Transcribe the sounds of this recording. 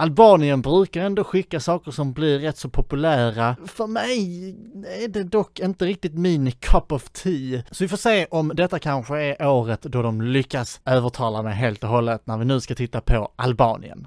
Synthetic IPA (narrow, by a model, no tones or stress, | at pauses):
albɑːnɪənbɾʉ̟ːkaɾɛnd̪oɧɪkːasɑːkəɾʂɔmblɪɾɾːɛt̪ːsɔpʰʊpɵlæːɾafœɾmɛj | æɖɛd̪ɔkːɪnt̪əɾɪk̚t̪ɪt̪mɪnkʰɔpɔvt̪ʰiːsɔvɪfoːʂseːʔɔmd̪ɛt̪ːakʰanɧəæɾʔoːɾət̪d̪ɔd̪ɔmlʏkːasøːvəʈʰɑːlamɛɦeːlt̪ɔɦɔlːət̪næɾvɪnʉ̟ːskat̪ʰɪt̪ːapʰɔʔa̰lbɑ̰ːnɪ̰ə̰n